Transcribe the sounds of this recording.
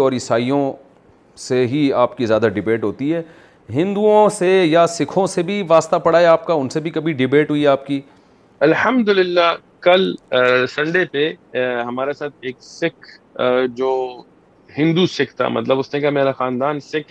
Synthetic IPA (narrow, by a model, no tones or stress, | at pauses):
ɔːɾɪsaːijõ | seɦiaːpkizjaːd̪aɖɪbeːʈɦoːt̪iɦɛː | ɦɪ̃nd̪uõsejasɪkʰõsebʱiʋaːst̪apɐɽaːeaːp̚kaʊnsebʱikɐbʱiɖɪbeːʈɦʊiɦɛaːp̚ki | ɐlhɐmd̪ʊlɪlːa | kɐlsɐ̃ɳɖepeɦɐmaːɾesaːt̪̚ʰeːksɪkʰ | d͡ʒoː | ɦɪ̃nd̪usɪkʰt̪ʰa̰ːmɐ̰t̪ləbʊsnẽkameːɾaxaːnd̪aːnsɪkʰ